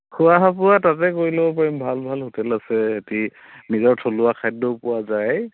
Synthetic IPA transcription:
xʊaɦapʊwatat̬ɛkoɹilɛɔpaɹimbʱalbʱalhotʰɛlasɛeti | nizɔɹtʰolʊakʰajdːɔpʊwazaj

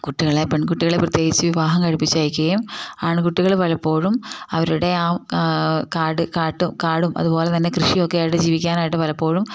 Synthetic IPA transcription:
kuʈːiɣɐɭepeɳkuʈːiɣɐɭeprɐt̪jeːɡit͡ɕːɨʋiʋaːɦɐmkɐɻipːit͡ɕːaːjikʲːuɣɐjumaːɳɨkuʈːiɣɐɭpɐlɐpːo̞ːɻumɐʋɐɾuɽe̞aːmkaːɽɨkaːʈːumkaːɽumʔɐ̰ðupo̞ːle̞t̪ɐnːe̞krɨʂiokːejaːjiʈ̬ːɨd͡ʑiːʋikʲːaːnaːjiʈ̬ːɨʋɐlɐpːo̞ːɻum

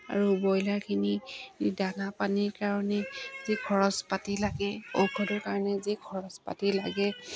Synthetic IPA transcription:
a̰ɹubɔjlaɹkʰinidanapaniɹkaɹɔnɛzikʰɔɹɔspatilaɡɛo̰wkʰɔdɔɹkaɹɔnɛziɡʰʱɔɹɔspa̰tilaɡɛ

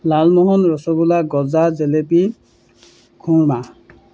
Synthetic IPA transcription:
lalmɔɦɔnɹɔsɔɡulaɡɔzazelepi | kʰũɹma

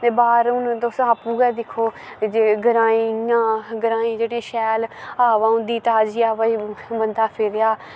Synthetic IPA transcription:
t̪eːbaːɾʊnːt̪osaːpuːɡɛːd̪ɪkʰːoː | d͡ʒeɡəɾaːĩãːɡəɾaːĩːd͡ʒeːɽẽːʃɛːlaːʋaːʊ̃nd̪iːt̪aːd͡ʒiːaːʋaiːbənd̪aːpʰɪɾjaː

